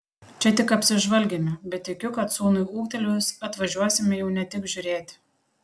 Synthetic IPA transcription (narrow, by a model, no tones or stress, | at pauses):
t͡ʃʲɛt̪ʲɪkɐpʲsʲɪʒʋɐlʲɡʲemʲɪbʲɛt̪t̪ːʲɪkʲʊkɐt̪suːnʊɪuːkt̪ʲɛlʲʊsɐt̪ʋɐʒʲuɔsʲɪmʲɪjɛʊnʲɛt̪ʲɪkʒʲʊɾʲeːt̪ʲ